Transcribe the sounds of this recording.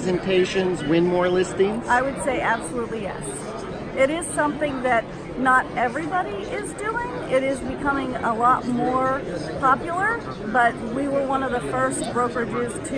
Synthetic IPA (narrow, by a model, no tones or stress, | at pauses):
zɨ̃ntʰeɪʃɨ̃nzwɪ̃nmɔɹlɪstɪ̃ŋaɪwɨd̥seɪʔæb̥səlutˡlijɛ̰s | ʔɪɾɪz̥sʌ̃mθɪ̃ŋðɨt̚ | nəɾɛvɹibɑɾiʔɪzdʉɪ̃ŋɪɾɪzbɨkʰʌmɪ̃ŋə̰lɔt̚mɔɹpʰɑpjl̩ˠə˞ | bʌt̚wiwə˞wʌ̃nʌvðəfɜ˞st̚b̥ɹoʊkə˞vʉz̥tʰ